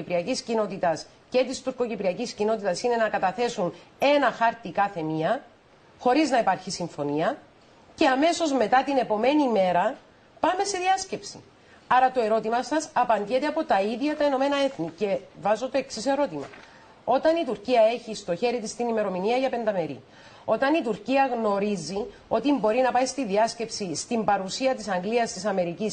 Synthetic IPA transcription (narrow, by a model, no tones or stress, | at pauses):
ipɾiɐciscino̞t̪it̪ɐs | ce̞t̪ist̪uɾko̞cipɾiɐciscino̞t̪it̪ɐsine̞nɐkɐt̪ɐθe̞sune̞nɐxɐɾt̪ikɐθe̞miɐ | xo̞ɾiznɐipɐɾçisiɱfo̞niɐ | ce̞ɐme̞so̞zme̞t̪ɐt̪ine̞po̞me̞nime̞ɾɐ | pɐme̞se̞ðiɐsce̞psi̥̰ | ɐɾɐt̪o̞e̞ɾo̞t̪imɐsɐsɐpɐnd̪jet̪e̞ɐpo̞t̪ɐiðʝɐt̪ɐeno̞me̞nɐe̞θnice̞vɐzo̞t̪o̞e̞ksise̞ɾo̞t̪imɐ̰ | o̞t̪ɐnit̪uɾciɐe̞çist̪o̞çe̞ɾit̪ist̪inime̞ɾo̞miniɐʝɐpe̞nd̪ɐme̞ɾḭ | o̞t̪ɐnit̪uɾciɐɣno̞ɾizio̞t̪imbo̞ɾinɐpɐist̪iðiɐsce̞psist̪imbɐɾusiɐt̪isɐŋɡliɐst̪isɐme̞ɾicis